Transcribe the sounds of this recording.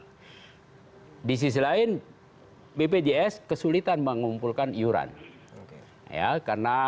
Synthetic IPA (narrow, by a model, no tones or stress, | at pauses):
dis̬is̬laɪn | beped͡ʒeɛskəsulit̪anməŋumpulkanijuɾa̰n | ja̰karna